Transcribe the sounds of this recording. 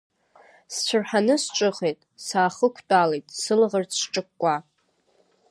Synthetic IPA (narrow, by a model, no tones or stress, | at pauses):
st͡ɕʷʰʊrħanɨst͡ʃʷʼɨχejtʼsaːχəkʷʰt͡pʼalejtʼsɨlʁərt͡sʰʈ͡ʂʼɨkːʷʼa